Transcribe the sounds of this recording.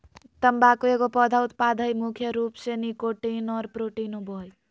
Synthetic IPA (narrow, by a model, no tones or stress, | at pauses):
t̪əmbakoeɡopɔd̪ʱaut̪pad̪ʱəjmukʰjəɾupsenikoʈenɔɾpɾoʈinobɔj